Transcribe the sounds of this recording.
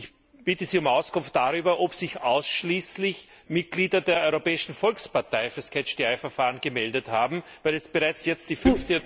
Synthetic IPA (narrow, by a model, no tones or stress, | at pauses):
ɪç | b̥ɪtəziːʊmaʊskʊnft̚d̥aʁyːbɐʔopsɪça̰ʊsʃliːslɪç | mɪt̚ɡ̥liːdɐdeːɐʔɔʏʁopɛːɪʃn̩fɔlkspaɐtaɪfyːɐskʰɛt͡ʃd̥iaɪfɛɐfaːʁənɡəmɛldəthaːbm̩væɪlɛsb̥əʁaɪt͡sjɛt͡st̚d̥iːfʏnftə